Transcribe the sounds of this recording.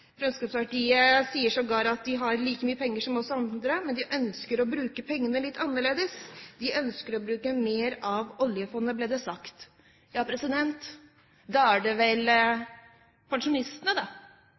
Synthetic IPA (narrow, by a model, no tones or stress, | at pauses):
fɾɛmskɑpspɑʈiːəsiːəʂɔɡɑːɾɑt̪̚d̪ɪɦɑɾliːkəmyːəpʰɛŋːəʂɔmɔsɔɑnd̪ɾəmɛnd̪ɪʔœnskəɾɔbɾʉːkəpʰɛŋːənəlɪt̪ːɑnːəɭeːd̪əsd̪̥ɪʔœnskəɾɔbɾʉːkəmeːɾɑʋɔljəfɔnːəbleːd̪ɛsɑkt̪ | jɑːpʰɾɛsɪd̪ɛnt̪ | d̪ɑæɖɛʋɛl | pʰɑŋʂʊnɪst̪ənəd̪ɑ